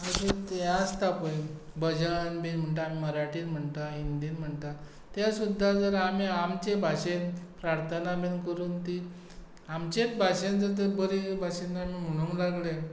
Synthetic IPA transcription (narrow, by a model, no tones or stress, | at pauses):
əset̪jast̪apəj | bəd͡ʑanbenm̤əɳt̪aamiməɾaʈiːnm̤əɳt̪aind̪iːnm̤əɳt̪a | t̪jasud̪ʱːad͡zəɾamiamt͡ɕebʱaɕenpɾaɾt̪ʰənabenkəɾuːnt̪i | amt͡ɕet͡sbʱaɕẽnd͡zəɾt̪̬əɾbəɾibʱaɕenːamim̤uɽ̃uŋklaɡle